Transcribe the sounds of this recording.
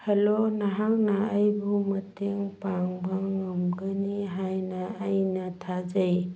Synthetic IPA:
helonaɦaŋnaːjbumɐtʰeŋpaŋbaŋɐmɡəniɦajnaːjnatʰad͡ʒaj

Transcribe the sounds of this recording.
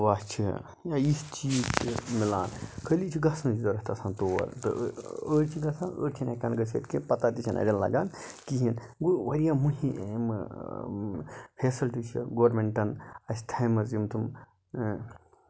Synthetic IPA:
ʋaːst͡ʃʰi | jaist͡ʃiːzt͡ʃʰimila̰ːnkʰəlit͡ʃʰiɡɐsnɨt͡ʃid̪ɐɾɐt̪ɐsãːnt̪oːʋɐ̰ɾt̪ɨ̰əɾt͡ʃʰiɡɐsanə̰ːɾt͡ʃʰinɐkɐːnɡɐsḛːt̪kipɐt̪at̪it͡ʃʰinɐ̰ɾʲɐnlɐ̰ɡaːnkiɦin | ɡoʋɐɾijãːmuɦimɨ | pʰeːsɐlʈit͡ʃʰḭɡoːɾmeɳʈɐnɐsʲt̪ʰɐjmɐzimt̪ʰum

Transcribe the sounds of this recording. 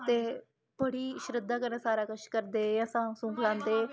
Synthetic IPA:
t̪e | bəɽiːʃɾɪd̪ʱːaːkəɾẽsaːɾakəʃkəɾd̪eːjãsãsũŋklãːnd̪eː

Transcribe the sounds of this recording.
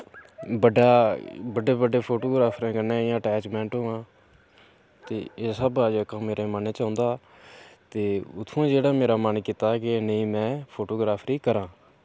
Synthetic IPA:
bəɖaːbəɖeːbəɖeːpʰoːʈoːɡɾaːpʰɾẽːkənẽːɪjãːʈɛːt͡ʃmɛ̃ːɳʈɦʊːãː | t̪eːeːsəbad͡ʒəkãːmeːɾeːmənẽːt͡ʃãːnd̪aː | t̪eːʊt̪ʰːũːd͡ʒeːɽaːmeːɾaːmənkɪt̪aːkɪnəĩːmɛ̃ːpʰoːʈoːɡɾaːpʰɾiːkəɾãː

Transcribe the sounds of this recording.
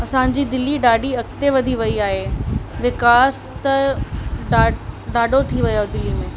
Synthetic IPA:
ɐsã̆d͡ʑiːd̪ɪlːiɖaːɖiɐkt̪eʋɐd̪ʱiʋɐiaːɦeʋɪkaːs | t̪ɐ | aɖaːɖʱot̪ʰiʋɐjod̪ɪlːimẽː

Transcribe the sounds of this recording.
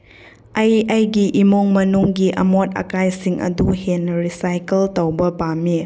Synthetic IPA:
ɐjɐjɡiʔimoŋmɐnuŋɡiʔɐ̰mot̚ɐ̰kajsiŋʔɐ̰duhenɾisajkeltɐwbɐbami

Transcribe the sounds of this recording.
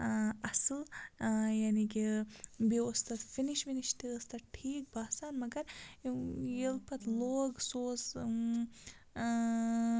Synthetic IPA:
ɐsɨl | janikibiust̪ɐt̪finiʃminiʃt̪iɨst̪ɐʈʰiːk̚baːsaːnmɐɡɐɾ | jelpʰɐt̪loːɡsoːs

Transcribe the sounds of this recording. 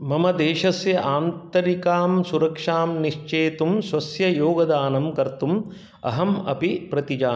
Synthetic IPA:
mɐmɐd̪eːʂɐsjɐʔaːnt̪ɐɾikaːmsuɾɐkʂaːmniʂt͡ʃeːt̪umsʋɐsjɐjoːɡɐd̪aːnɐmkɐɾt̪um | ɐ̰ɦɐmɐ̰bʱipɾɐt̪id͡ʒaː

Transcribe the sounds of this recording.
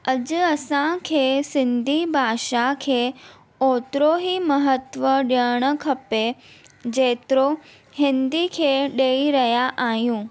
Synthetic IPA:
ɐd͡ʑʊɐsãkʰeːsɪ̃nd̪ʱibʱaːʃakʰeː | oːt̪ɾoɦimɐɦət̪ʋəɗəɽ̃ə̆kʰɐpe | d͡ʑeːt̪ɪɾo | hɪ̃nd̪ikʰeːɗeːiɾɐɦjaʔaːɦijũː

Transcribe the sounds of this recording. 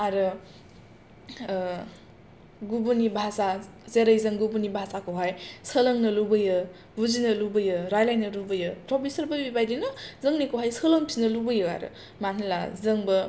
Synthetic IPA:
aɾɯ | ɡubunibʱasa | zeɾɯjzɯŋɡubunibʱasakɯwɦajsəlɐŋnɯlubɯjɯ | buzinɯlubɯjɯɾajlajnɯlubɯjɯpɾopʰisɐɾbɐbibajdinɯzɯŋnikowɦajsəlɐŋpʰinɐlubɯjɯa̰ɾɯ̰ | manɐla̰zɯŋbɯ

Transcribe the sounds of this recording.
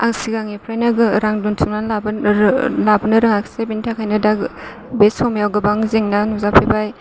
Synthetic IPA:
a̰ŋsiɡaŋipʰɾajnaɡɯɾaŋduntʰimnana | labɯnɐɾɯŋakʰsebintʰakʰajnɐdak | besʰɔmjawɡɐbaŋzeŋnanuzapʰebaj

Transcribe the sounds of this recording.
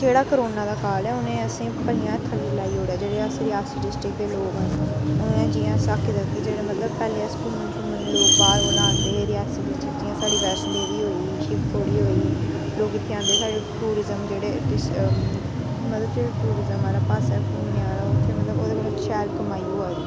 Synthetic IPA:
d͡ʒeːɽaːkəɾoːnãːd̪aːkaːlɛːʊnẽːəsĩːpəɽɪjãːt̪ʰəɽilaːiːɦoːɽejaːd͡ʒeːɽeːəːsɾɪaːsiːɖɪsʈɪk̚d̪eːloːɡə̃nnɛ̃ːd͡ʒiːãːsəkʰːd̪ət̪ːiːd͡ʒeːɽeːmət̪ləbpɛːleːskuːlmənk̪uːmə̃loːɡpaːɾbəlãːnd̪eːɾɪjaːsiːɖɪsʈɪt̪ːiãːsaːɖiːʋɛːsleːɾiːɦoːi | ʃɪpt̪ʰoːɽiːɦoːi | loːɡɪt̪ʰːeãːnd̪eːsaːɖeʈuːɾɪzəmd͡ʒeːɽeːʈɪs | mət̪ləbd͡ʒeːɽeʈuːɾɪzəmaːɾaːpaːsɛːkuːneãːɾaot̪ʰːeːmət̪ləboːd̪eːbəət͡ʃʰɛːlkəmaːiːoaːd̪iː

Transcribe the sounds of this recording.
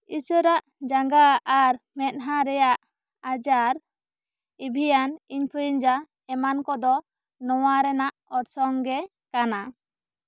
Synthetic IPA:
isɔɾaʔd͡ʒaŋɡaʔːɾmɛt̪̚ɦaɾɛjaʔ | ad͡ʒaɾ | ibʱijaniɲpʰujiɲd͡ʒa | ɛmankɔd̪ɔ | nɔwaɾɛnaʔɔɾsɔŋɡɛ | kana

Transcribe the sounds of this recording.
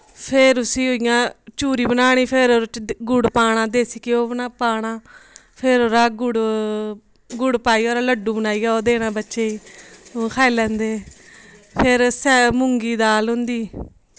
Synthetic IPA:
pʰɪɾʊsĩːoɪjãːt͡ʃuːɾiːbənaːɽ̃iːpʰeɾoːɾɡʊɽpaːɽ̃aːd̪eːsiːkeoːbnaːpaːɽãː | pʰeɾoːɾaːɡʊɽ | ɡʊɽpaːiːoːɾaːləɖːũːbənaːiːɡaːoːd̪eːɽ̃ãːbətːʃeːiː | kʰaːeːlɛ̃ːnd̪eː | pʰɪɾsɛːmʊŋɡiːd̪aːlɦʊ̃nd̪iː

